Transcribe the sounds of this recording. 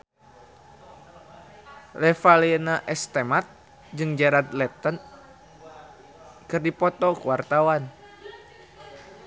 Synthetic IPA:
lɛfalenaʔɛst̪ɛmat̪̚ | d͡ʒɨŋd͡ʒaɾat̪lɛt̪ən | kɨrdipɔt̪ɔkuwart̪awan

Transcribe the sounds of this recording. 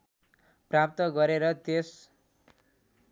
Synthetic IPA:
prap̚t̪ʌɡʌɾeɾʌt̪es

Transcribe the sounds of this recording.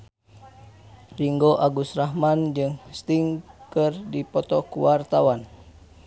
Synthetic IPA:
riŋɡoʔaɡusraɦmand͡ʒɨŋst̪iŋkɨrdipɔt̪ɔkuwart̪awan

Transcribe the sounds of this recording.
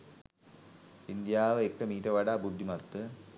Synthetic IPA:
ind̪jaːʋɨekːɐmiːɾɐʋɐɽabud̪ːimɐt̪ːɨ

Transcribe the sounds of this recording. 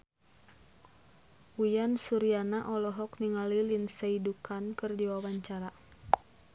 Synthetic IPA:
wujansuɾianaʔɔlɔɦɔkniŋalilinsaidukʰankɨrdiwawaɲt͡ʃaɾa

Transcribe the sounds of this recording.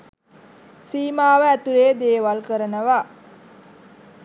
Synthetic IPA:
siːmaːʋəæt̪uleːd̪eːʋalkəɾənəʋa

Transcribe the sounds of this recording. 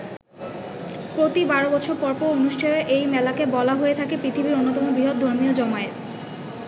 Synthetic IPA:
pɾot̪ibaɾobɔt͡ɕʰoɾpɔɾpɔɾonuʃʈʰajoʔejmɛlakebɔlaɦoet̪ʰakepɾit̪ʰibiɾonːot̪ɔmobɾiɦod̪̚d̪ʱoɾmiod͡ʑɔmaeɾ

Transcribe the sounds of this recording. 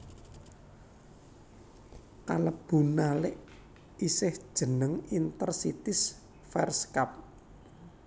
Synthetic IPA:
kaləb̥ṳnalɪʔ | isɪhd̥ʒ̥ə̤nəŋint̪ərsit̪ɪs | fɛrskap̚

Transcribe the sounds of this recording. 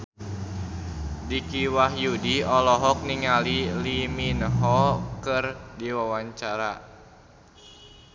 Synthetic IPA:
dikiwaɦjudiɔlɔɦɔk̚niŋaliliminɦɔkɨrdiwawaɲt͡ʃaɾa

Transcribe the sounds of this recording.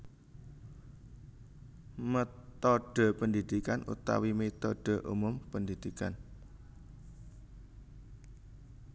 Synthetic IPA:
mət̪ɔɖ̥e̤pəndid̪̥ikanʔṵt̪a̰wimet̪ɔɖ̥e̤ʔṵmʊmpənd̪id̪̥ikan

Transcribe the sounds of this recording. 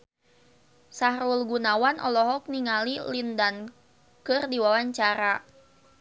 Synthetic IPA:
saɦɾulɡunawanʔɔlɔɦɔk̚niŋalilindan | kɨrdiwawaɲt͡ʃaɾa

